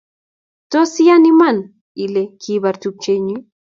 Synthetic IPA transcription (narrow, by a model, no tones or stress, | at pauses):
t̪osijaniman | ilekʰiβaɾt̪uk̚t͡ʃeɲi